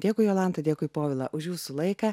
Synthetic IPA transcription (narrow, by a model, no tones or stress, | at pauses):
d̪ʲeːkʊɪjoːlˠɐnt̪ɐd̪ʲeːkʊɪpoːʋʲɪlˠɐ̰ʔʊʃjuːsulˠɐɪkɑ